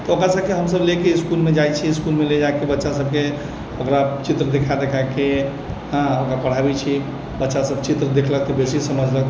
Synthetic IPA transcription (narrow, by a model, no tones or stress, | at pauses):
t̪ɔokɾasəb̚keɦəmsəblekeiskulmed͡ʒajt͡ʃʰiskulmeled͡ʒaekebətːʃasəb̚ke | okɾat͡ʃit̪ɾəd̪ekʰad̪ekʰake | ɦãokɾapəɽ̤abit͡ʃʰi | bətːʃasəbt͡ʃit̪ɾəd̪ekʰləkt̪ɔbesisəməd͡ʒʱlək